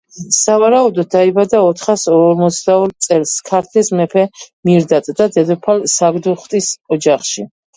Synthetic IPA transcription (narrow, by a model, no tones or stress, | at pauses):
savaɾaud̪ɔd̪̚d̪ːaibad̪aɔt̪ʰχasɔɾmɔt̪sʰd̪aɔɾt̪sʼɛlskʰaɾt̪ʰlɛsmɛpʰɛmiɾd̪at̪ʼd̪ad̪ɛd̪ɔpʰalsaɡd̪uχt̪ʼisɔd͡ʒaχʃi